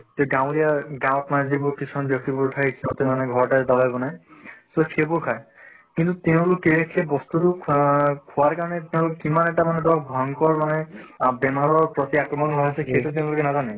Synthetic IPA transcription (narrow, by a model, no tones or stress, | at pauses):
t̪eɡãʊ̃dijaɡãw̃tmanɛzibʊɹkisʰɔnbjɔk̚tibuɹkʰajekʰiɔt̪ɛ̃manɛɡʱɔɹtadabajbɔnajsokʰebʊɹkʰaj | kint̪utɛʊ̃lokːeekʰɛbɔst̪utu | kʰʊwaɹkaɹɔnɛt̪ɛʊ̃lokkimanɛʈamanɛdɔkbʱɔŋkɔɹmanɛbɛmaɹɔɹpɹɔt̪iakɹɔmɔnɦɔjasʰɛkʰetut̬ɛ̃ʊ̃lokɛnazanɛ